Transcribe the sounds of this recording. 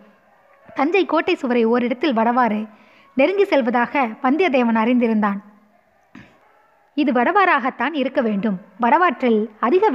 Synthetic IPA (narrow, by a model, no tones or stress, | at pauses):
t̪ɐɲd͡ʒɐɪkːoːʈːɐɪsɯʋɐɾɐɪɔɾɪɽɐt̪ːɪlʋɐɽɐʋaːɾɐɪ | nɛɾɯŋɡisɛlʋɐðaːɣɐpɐnd̪ɪjɐðeːʋɐnɐɾɪnd̪ɪɾɯnd̪aːn | ɪðɯʋɐɽɐʋaːɾaːɣɐt̪ːaːnɪɾɯkːɐʋeːɳɖɯmʋɐɽɐʋaːʈrɪlɐðɪɣɐʋ